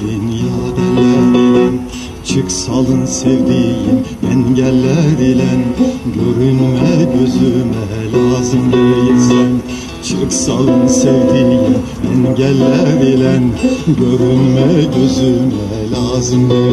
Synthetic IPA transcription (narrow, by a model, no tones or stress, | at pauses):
injɑːd̪ɛnːæɾelæn | t͡ʃʰɯksɑlˠɯnsevd̪ijimɛnɟælːæɾelænɟøɾynmɛɟøzymɛlʲɑːzɯmd̪ɯjisæn | t͡ʃʰɯksalˠɯnsevd̪ijim | ɛnɟælːæɾelænɟøɾynmɛɟøzymɛ | lʲɑːzɯmd̪ɯ